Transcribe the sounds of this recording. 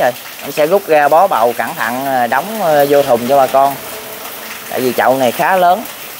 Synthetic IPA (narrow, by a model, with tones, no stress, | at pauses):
o˧˩j | ʔa˧msɛ̰˧˥ɣʊ˦˥k͡p̚ɣaː˧ɓɔ˨˦ɓa̰˧˨wka˧˩ŋt̪ʰa̰˧˨ŋ˩ɗɔ˨˦wŋ͡mzo˧t̪ʰʊ˨˩ŋ͡mt͡ɕɔ˧ɓaː˨˩kɔ˧n | t̪a̰ː˧˨jvi˨˩t͡ɕɔ̰˧˨wna˨˩jxaː˨˦ləː˨˦n